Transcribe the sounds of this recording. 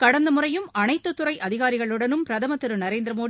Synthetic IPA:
kɐɽɐnd̪ɐmʊrɐjɯmɐnɐɪt̪ːɯt̪ːɯrɐɪʔɐðɪɣaːɾɪɣɐɭɯɽɐnɯmpɾɐðɐmɐt̪ːɪɾɯnɐɾeːnd̪ɾɐmoːɽ

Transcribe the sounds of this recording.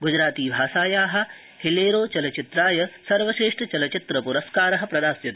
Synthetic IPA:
ɡud͡ʒɾaːt̪iːbʱaːʃaːjaːɦɐ̆ | hileːɾoːt͡ʃɐlɐt͡ʃit̪ɾaːjɐsɐɾʋɐʃɾeːʂʈʰɐt͡ʃɐlɐt͡ʃit̪ɾɐpuɾɐskaːɾɐɦɐ̆pɾɐd̪aːsjɐt̪ɐ̥

